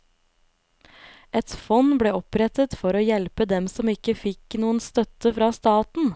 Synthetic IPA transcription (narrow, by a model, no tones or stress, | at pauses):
ɛt̪fɔnbɽeːɔpɾɛt̪ət̪fɔɾoːjɛlpəd̪ɛmsɔmɪkəfɪknuːənst̪œt̪əfɾɑːst̪ɑːt̪n̩